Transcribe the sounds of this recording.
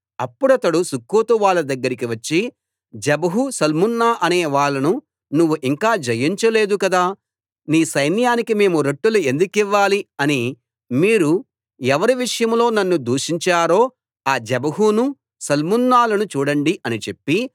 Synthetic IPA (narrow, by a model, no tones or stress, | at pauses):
ɐpːuɽɐt̪ɐɽusukːoːt̪uʋaːɭːɐd̪ɐɡːɐɾikiʋɐt͡ʃːi | d͡ʒɛbɐɦusɐlmunːaːʔɐneːʋaːɭːɐnu | nuʋːuʔiŋkaːd͡ʒɐjiɲt͡ʃɐle̞ːd̪ukɐd̪aː | niːsɐjnjaːnikime̞ːmuɾe̞ʈːulue̞nd̪ukiʋːaːliɐni | miːɾu | ɛʋɐɾiʋiʂɐjɐmlo̞ːnɐnːud̪uːʂiɲt͡ʃaːɾo̞ː | aːd͡ʒɛbɐɦunu | sɐlmunːaːlɐnut͡ʃuːɽɐɳɖiʔɐnit͡ʃe̞pːi